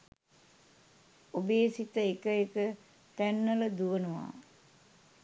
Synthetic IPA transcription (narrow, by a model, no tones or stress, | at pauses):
obeːsit̪əekəekə | t̪ænːələd̪uʋənəʋa̰ː